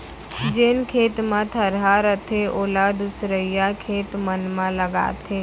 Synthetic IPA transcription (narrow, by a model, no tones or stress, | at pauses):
d͡ʒenkʰeːt̪mãt̪ʰəɾɦaɾət̪ʰeʔoːlad̪ʊsɾəjakʰeːt̪mənmãləɡa̰ːt̪ʰeː